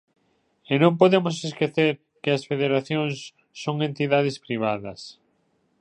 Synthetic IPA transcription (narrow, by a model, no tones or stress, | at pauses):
enõmpoðemos̬eskeθeɾ | kɪɐsfeðeɾaθjoŋsː | oŋent̪iðað̞ɪspɾiβ̞aðɐs